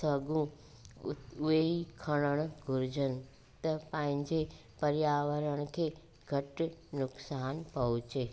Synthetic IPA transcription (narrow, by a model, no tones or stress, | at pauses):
sɐɡũ | ʊeikʰɐɽ̃əɽ̃ʊɡʱʊɾɪd͡ʑənɪ̆ | t̪ɐpə̃ɦɪ̃ɲd͡ʑe | pɐɾjaːʋəɾəɽ̃̆kʰeː | ɡʱɐʈnʊksaːnpɐɦʊt͡ɕeː